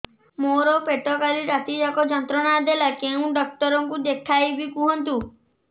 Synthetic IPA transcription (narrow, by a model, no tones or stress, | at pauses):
moɾɔpeʈɔkaliɾat̪id͡ʒakɔd͡ʒɔnt̪ɾɔnad̪elakeũɖɔk̚t̪ɔɾɔŋkud̪ekʰːajbikuɦɔnt̪̬u